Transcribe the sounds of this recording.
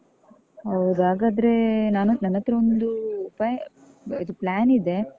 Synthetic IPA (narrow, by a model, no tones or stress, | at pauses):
ɦɐwd̪aːɡaːd̪ɐɾe̞naːnunɐnːɐt̪ːɐɾɐond̪uːpaːjɐ | id̪uplaːnid̪e̞